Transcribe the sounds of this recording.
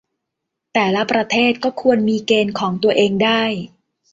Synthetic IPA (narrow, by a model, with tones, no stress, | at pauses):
t̪ɛː˨˩la˦˥pɾa˧t̪ʰeː˥˩t̪̚kɔː˥˩kʰu˧ənmiː˧keː˧nkʰɔː˩˦ŋt̪u˧ɐʔeː˧ŋdaː˥˩j